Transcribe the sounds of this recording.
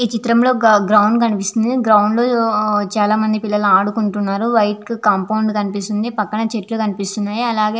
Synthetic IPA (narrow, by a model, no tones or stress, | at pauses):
iːt͡ʃit̪ɾɐmlo̞ːɡɾɐwɳɖk̬ɐnipist̪und̪iɡɾɐwɳɖlo̞ːt͡ʃaːlaːmɐnd̪ipilːɐluaːɽukuɳʈunːaːɾuʋɐjʈkkaːmpɐwɳɖkɐnipist̪und̪ipɐkːɐɳɐt͡ʃeʈlukɐnipist̪unːaːjiɐlaːɡeː